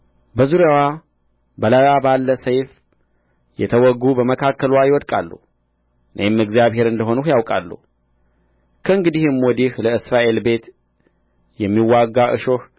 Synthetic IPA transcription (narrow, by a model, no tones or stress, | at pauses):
bəzuɾjawa | bəlajwabalːəsəjf | jɛ̰t̪ʰəwɔɡːubəməkʰakʰːəlwajɪwɔd̪kʼa̰lːṵh | nʔə̰jmːɨɡzjaβhe̞ɾɨnd̪əɦo̞nuhjawkʼa̰lːṵh | kʰəɨŋɡɨd̪ihɨmːwɔd̪ihləɨsɾaʔe̞lbe̞t̪ | jɛmːiwːaɡːaʔɨ̰ʃo̞h